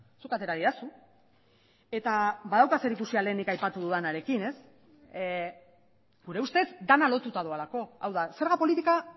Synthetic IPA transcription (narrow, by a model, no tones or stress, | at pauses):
sukat̪e̞ɾaðiðasu | e̞t̪aβaðawkase̞ɾikusiale̞ːnikajpat̪uðuðanaɾe̞kine̞s | ɡuɾe̞ust̪e̞zd̪analo̞t̪ut̪aðualako̞awðase̞ɾɣ̞apo̞lit̪ika